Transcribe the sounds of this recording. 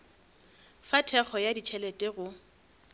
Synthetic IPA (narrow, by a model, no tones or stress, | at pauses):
fatʰɛχʰɔjadit͡ʃʰɛletʼeɣʊ